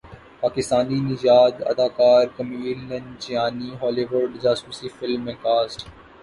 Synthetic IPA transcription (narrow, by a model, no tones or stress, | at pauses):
paːkɪst̪aːninɪd͡ʒaːd̪ɐ̰d̪aːkaːɾkɐmiːlːɐnt͡ʃɪjaːniɦɔːliʋʊɾɖd͡ʒaːsuːsifɪlmːẽːkaːsʈ